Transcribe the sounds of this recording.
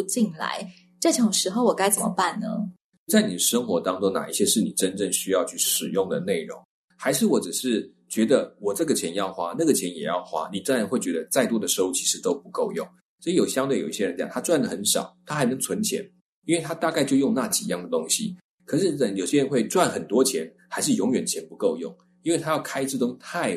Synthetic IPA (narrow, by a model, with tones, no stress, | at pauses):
t͡ɕi˥˩nla̰˧˦ɪ | ʈ͡ʂɤ˥˩t͡ɕʰʊ˨˩ŋʂɻ̩˧˥xo˥˩ʊwɔ˨˩ka˥ɪt͡sə˨˩mə̰˦pa˥˩nnə̰˩˥ | t͡sa˥˩ɪni˨˩d̪ə˩ʂə˥ŋxwɔ˧˥t̪ɑ˥ŋʈ͡ʂo˥ŋna̰˨˩i˥˩ɕjɛ˥ʂɻ̩˥˩ni˨˩ʈ͡ʂə˦nʈ͡ʂə˥˩ŋɕy˥jɑ˥˧ʊt͡ɕʰy˥˩ʂɻ̩˨˩jʊ˥˩ŋd̪ə˩ne˥˩ɪɻʊ̰˧˥˦ŋ | xa˧˥ɪʂɻ̩˥˩wɔ˧˥ʈ͡ʂ̩˨˩ʂɻ̩˥˩ | t͡ɕɥɛ˧˥d̪ə˨wɔ˨˩ʈ͡ʂɤ˥˩ɡə˩t͡ɕʰjɛ˧˥njɑ˥˩ʊxwa˥na˥˩ɡə˨˩t͡ɕʰjɛ˧˦njɛ˨˩jɑ̰˥˩ʊxwa̰˥ni˨˩ʈ͡ʂə˥ɻa˧˥nxwe˥˩t͡ɕɥɛ˧˥d̪ə˧t͡sa˥˩ɪt̪wɔ˥d̪ə˨˩ʂɻ̩˧˥o˥˧t͡ɕʰi̥˧˥ʂɻ̩˧˥t̪o˥ʊpu˧˥ko˥˧ʊjʊ̰˥˩ŋ | sjo˨˩ʊɕjɑ˥ŋt̪we˥˩jo˨˩ʊi˥˩ɕjɛ˥˧ə˧˥t͡ɕjɑ̰˨˩ŋt̪ʰa˥t͡swa˥˩nd̪ə˩xə˧˥nʂɑ̰˨˩ʊt̪ʰa˥xa˧ɪnɤ˧˥ŋt͡sʰwə˧˥nt͡ɕʰjɛ̰˧˦˥n | i˥nwe˥˩t̪ʰa˥t̪a˥˧ka˥˧ɪt͡ɕjo˥˧ʊjʊ˥˧ŋna˥˩t͡ɕḭ˨˩jɑ˥˩ŋd̪ə˩t̪ʊ˥ŋɕḭ˨ | kʰɤ˨˩ʂɻ̩˥˩ə˧˩jo˨˩ʊɕjɛ˥ɻə˧˥nxwe˥˧ɪt͡swa˥˩nxə˨˩nt̪wɔ˥t͡ɕʰjɛ˧˥n | xa˧˥ɪʂ̬ɻ̩˥˩jʊ˧˥ŋɥɛ˨˩nt͡ɕʰjɛ˧˥npu˧˥ko˥˧ʊjʊ̰˥˩ŋ | i˥nwe˥˩ɪt̪ʰa˥jɑ˥˩ʊkʰa˥ɪt͡s̩˥˩ʈ͡ʂʊ˥ŋt̪ʰa˥˩ɪ